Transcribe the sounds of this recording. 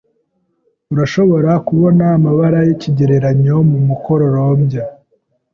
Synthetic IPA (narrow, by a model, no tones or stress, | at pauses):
uɾaʃo̞βo̞ɾakuβo̞naːmaβaɾajeciɟe̞ɾe̞ɾaɲo̞mumukoɾo̞ɾomɟa